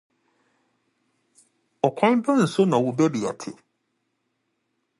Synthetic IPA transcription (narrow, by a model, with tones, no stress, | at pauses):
ɔ˨kʷʰã˦n˦bã˦n̩˨sʊ˦nã˨wʊ˨bɛ˦bi˨a̰˨tʰɪ̰˨